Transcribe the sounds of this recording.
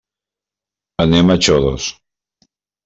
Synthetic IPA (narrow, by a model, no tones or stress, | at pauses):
anemat͡ʃoðos